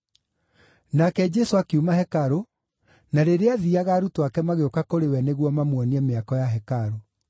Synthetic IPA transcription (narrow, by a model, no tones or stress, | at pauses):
nakɛd͡ʒɛsoakeumaɦɛkaɾo | naɾeɾeaðiaɣaːɾutoakɛmaɣeokakoɾewɛneɣwɔmamwɔniɛmeakɔjaɦɛkaɾo